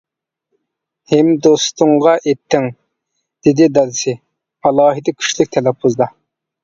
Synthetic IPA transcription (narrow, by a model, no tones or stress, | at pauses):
hemd̪ost̪ʰʊŋʁɑʔet̪ʰːɪŋ | d̪̥ɪd̪ɪd̪ɑd̪sɪ | ɑlˠɑːɦid̪ɪkʲʰy̥ʃlɪk̚ʲt̪ʰɛlɛpʰːuzd̪ɑ